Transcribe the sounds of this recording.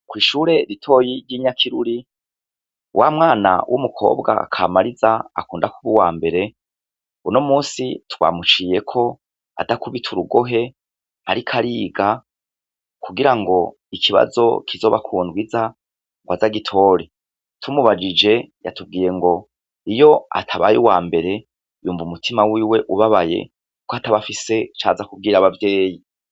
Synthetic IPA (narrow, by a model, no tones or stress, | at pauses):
kwiːʃuːɾe̞ɾitʰo̞ːjiɾjiːɲakʰiɾuɾi | wʔamŋaːna̰wʔumukʰo̞̰ːbɡa̰kʰa̰ːmaɾizaa̰kuːndakuβuwaːmbe̞ɾe̞ | uno̞muːsitwa̰ːmut͡ʃiːje̞kʰo̞ | a̰takuβitʰuɾuɡo̞ɦe̞ | haɾikʰaɾiːɡa | kʰuɡiɾaŋɡo̞ | ikʰiβa̰zo̞̰kʰizo̞ːβakʰuːndwiza | ŋɡwazaɡitʰo̞ːɾi | tʰumuβad͡ʒid͡ʒe̞ja̰tub̚ɡiːje̞ŋɡo̞ | ijo̞a̰tʰaβa̰juwaːmbe̞ɾe̞ | juːɱvumutʰimawiːwe̞ʔuβaβaje̞̰ | ukoataβafise̞t͡ʃa̰ːzakub̚ɡiːɾaβavje̞ːji